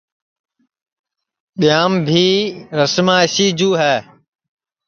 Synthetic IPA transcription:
ɓɪjaːmbʱiːɾəsmãːɪsiːd͡ʑuːɦɛː

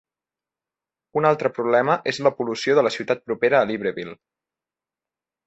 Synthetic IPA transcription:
unalˠt̪ɾəpɾuβlɛməʔezləpulusioðələsiwt̪at̪̚pɾupeɾəːliβ̞ɾəβilˠ

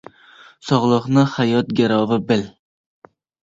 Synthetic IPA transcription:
sɒʁlˠɨqnɪhajɒt̪̚ɡʲaɾɒvɪbɪl

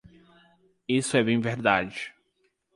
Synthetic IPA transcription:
isʊɛbẽj̃veɾd̪ad͡ʒɪ

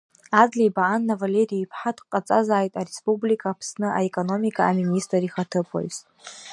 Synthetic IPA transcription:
ad͡zlʲijbaʔanːavalʲe̞ɾijipʰħatʰqʼat͡sʼazaːjtʼaɾespʼublikʰaːpʰsnɨʔaekʼo̞no̞mikʰʼaaministʼrariχatʰɨpʰo̰jz

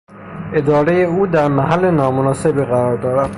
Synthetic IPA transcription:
e̞d̪ɒːɾe̞jeuːd̪æɾmæɦælːe̞nɒːmonɒːse̞biːɣæɾɒːɾd̪ɒːɾæd̪̥

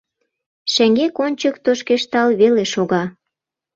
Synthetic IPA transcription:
ʃĕŋɡekonʲt͡ɕəkt̪oʃkeʃt̪ɑlβeleʃoɣɑ

